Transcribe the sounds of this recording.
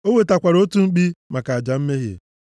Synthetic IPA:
o˦we˨ta˨kʷa˨ɾo˦tu˦ŋ͡m̩˦k͡pi˦ma˨ka˨a˨d͡ʒa˨m̩˦me˦ɦjḛ˨

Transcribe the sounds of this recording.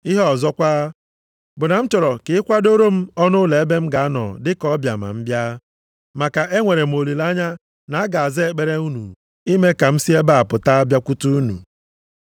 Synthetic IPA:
i˦ɦɔ˨zɔ˦kʷaː˦ | bʊ˨na˨m̩˦t͡ʃɔ˨ɾɔ˨kɪ˨ɪ˦kʷa˦do˦ɾo˦m̩˦ɔ˦nʊ˦le˨e˦be˦m̩˦ɡa˨a˦nɔ̰˨dɪ˦kɔ˦bja̰˨ma̰˨m̩˦bja˦ | ma˨ka˨ʔe˦ŋʷe˨ɾe˨m̩˨o˨li˨la˦ɲa˦ | na˨a˦ɡa˨a˨zɪ˦e˦k͡pe˦ɾe˦u˦nṵ˨ | i˦me˦ka˨m̩˦si˦e˦ba˦˨a˨pʊ˨ta˦a˦bja˦kʷu˦tu˦u˦nṵ˨

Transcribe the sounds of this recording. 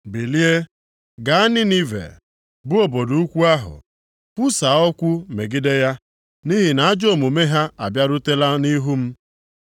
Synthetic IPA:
bi˨li˦e˦ | ɡa˨a˦ni˦ni˦vḛ˨ | bʊ˦o˨bo˨du˨u˦kʷu˦a˦ɦʊ̰˨ | pu˦sa˨ɔ˦kʷu˦me˨ɡɪ˦de˦ja˦ | ni˦ɦi˨na˨a˦d͡ʒo˦˨mu˨me˦ɦa˦a˨bja˦ɾʊ˦te˦la˦ni˦ɦu˦m̩˦

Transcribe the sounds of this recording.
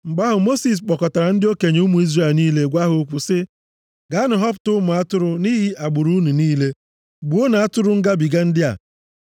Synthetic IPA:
ŋ͡m̩˨ɡ͡ba˦ɦʊ˨mo˦si˨s̬k͡pɔ˨kɔ˨ta˨ɾa˨n̩˦dɪ˦o˦ke˨ɲ˨u˦mu˨˦i˦zre˨lniː˦le˦ɡʷa˦ɦʊ˦kʷʊ˨sɪ˦ | ɡa˨˦nʊ˨ɦɔ˦p̬ʊ̥˨tʊ˦mʊ˨a˦tʊ˦ɾʊ˦ni˦ɦi˦ʔa˨ɡ͡bʊ˨ɾu˦nu˨niː˦le˦ | ɡ͡bu˨o˦na˨a˦tʊ˦ɾʊ˦ŋ̩˦ɡa˦bi˨ɡa˦n̩˦dɪ˦a̰˨

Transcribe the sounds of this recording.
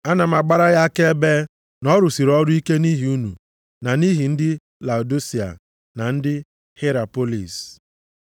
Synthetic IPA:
a˦na˨m̩˨a˨ɡ͡ba˦ɾa˦ɣa˦ke˦be˦ | nɔ˦ɾʊ˨si˨ɾɔ˦ɾʊ˦i˦ke˦ni˦ɦi˨u˦nu˨ | na˨ni˦ɦi˨n̩˦dɪ˦ | la˨u˨do˦si˨a̰˨ | na˨n̩˦dɪ˦ | he˦ɾa˨po˦lḭ˨s

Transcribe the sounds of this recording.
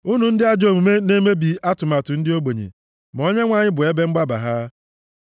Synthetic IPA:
ʊ˦nu˨n̩˦dɪ˦a˦d͡ʒo˨mu˨me˦ne˦me˦bi˨a˦tʊ˨ma˨tʊ˨n̩˦dɪ˦o˦ɡ͡bo˨ɲḛ˨ | m˨o˦ɲe˦ŋʷa˦˨ɲɪ˦bʊ˨e˦be˦ŋ͡m̩˦ɡ͡ba˦ba̰˨ɦa˦

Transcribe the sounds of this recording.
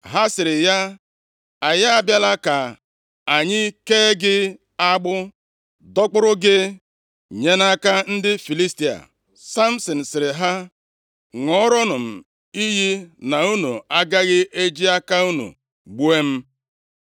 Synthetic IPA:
ɦa˦sɪ˨ɾɪ˨ja˦ | a˨ja˦a˨bja˦la˦ka˨ | a˨ɲɪ˦keː˦ɡɪ˦ | a˦ɡ͡bʊ˦ | dɔ˦k͡pʊ˦ɾʊ˦ɡɪ˦ | ɲe˦na˦ka˦n̩˦dɪ˦fi˨li˦sti˨a̰˨ | sa˦m̩˦sɔ˨n̩˨sɪ˨ɾɪ˨ɦa˦ | ŋɔ˦ɾɔ˦nʊ˨m̩˨ | i˦ɦi˦na˨u˦nu˨a˦ɡa˦ɣɪ˦ʔe˦d͡ʒi˦a˦ka˦u˦nṵ˨ | ɡ͡bu˦e˦m̩˦

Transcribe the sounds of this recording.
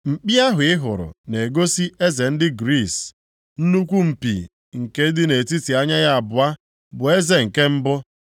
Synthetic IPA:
m̩˨k͡pi˦a˦ɦʊ˨ɪ˦ɦʊ˨ɾʊ̰˨ne˨ɡo˦si˦e˦ze˨n̩˦dɪ˦ɡɾi˦˨s | n̩˦nu˦kʷu˦m̩˨pḭ˨ | ŋ̩˨ke˦dɪ˦ne˨ti˦ti˨a˦ɲa˦ɣa˦a˨bʊ˨a˦ | bʊ˨e˦ze˨ŋ̩˨ke˦m̩˦bʊ˦

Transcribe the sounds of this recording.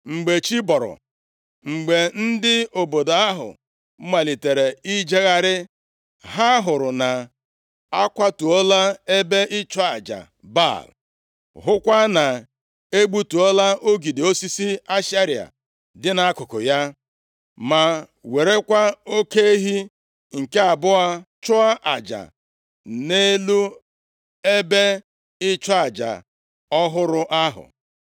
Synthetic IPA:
ŋ͡m̩˨ɡ͡be˨t͡ʃi˦bɔ˨ɾʊ̰˨ | ŋ͡m̩˨ɡ͡be˨n̩˦dɪ˦o˨bo˨do˨a˦ɦʊ̰˨˦ | ma˨li˨te˨ɾe˨i˦d͡ʒe˦ɣa˦ɾɪ˦ | ɦa˦ɦʊ˨ɾʊ˨na˨ | a˦kʷa˦tu˨ɔ˦la˦e˦be˦ʔɪ˦t͡ʃɔ˦a˨d͡ʒa̰˨ | ba̰˦˨l | ɦʊ˦kʷa˦na˨ | e˦ɡ͡bu˦tu˨ɔ˦la˦o˦ɡi˨di˨o˦si˦si˦a˦ʃa˦ɾi˨a̰˨ | dɪ˦na˨a˦kʊ˨kʊ̰˨ja˦ | ma˨ | we˨ɾe˦kʷa˦o˦ke˦ɦi˦ | ŋ̩˨ke˦a˨bʊ˦a˦t͡ʃʊ˦a˦ʔa˨d͡ʒa̰˨ | ne˦lu˦ | e˦be˦ | ɪ˦t͡ʃɔ˦a˨d͡ʒa̰˨ | ɔ˦ɦʊ˦ɾʊ˦ʔa˦ɦʊ̰˨

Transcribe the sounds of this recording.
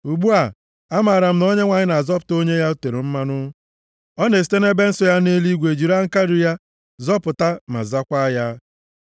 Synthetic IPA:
u˨ɡ͡bu˦a˨ | a˦maː˨ɾa˨m̩˦no˦ɲe˦ŋʷa˨ɲɪ˦na˨zɔ˦pʊ̥˨to˦ɲe˦ja˦u˦te˨ɾo˨m̩˦ma˦nʊ˦ | ɔ˦ne˨si̥˨te˦ne˦be˦n̩˦sɔ˦ja˦ne˦li˦ɡʷe˨d͡ʒi˨ɾa˦ŋ̩˦ka˦ɾi˨ja˦ | zɔ˦pʊ˨ta˦ma̰˨za˦kʷa˦ja˦

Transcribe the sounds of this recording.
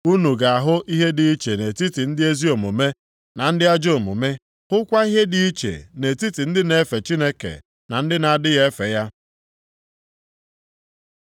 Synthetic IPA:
u˦nu˨ɡa˨a˨ɦʊ˦ʔi˦ɦe˦di˨i˦t͡ʃe˨ne˨ti˦ti˨n̩˦dɪ˦e˦zi˦o˨mo˨me˦ | na˨n̩˦dɪ˦a˦d͡ʒo˨mo̰˨me˦ | hʊ˦kʷa˦i˦ɦe˦di˦i˦t͡ʃḛ˨ne˨ti˦ti˨n̩˦dɪ˦ne˦fe˨t͡ʃi˦ne˦kḛ˨ | na˨n̩˦dɪ˦na˨dɪ˦ɣe˦fḛ˨ja˦

